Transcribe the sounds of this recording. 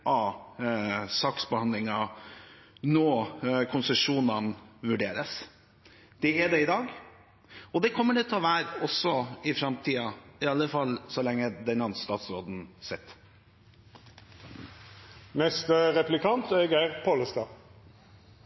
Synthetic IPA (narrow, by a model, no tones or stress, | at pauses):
ʔɑ | sɑːksbəhɑnd̪lɪŋɑ | nɔːkʰʊnsəʂuːnɑnʋʉɖeːɾəs | d̪̥ɛɛɖɛɪd̪ɑːɡ | ɔd̪ɛkʰɔmːəɖɛt̪ʰɛɔʋæːɾəɔsːɔɪfɾɑmt̪ʰiːɑɪɑlːəfɑlːsɔlɛŋːəd̪ɛnɑnsst̪ɑːt̪sɾoːd̪n̩sɛt̪ː | nɛst̪əʁɛplɪkʰɑnt̪ɛɡæʁpʰoːləst̪ɑː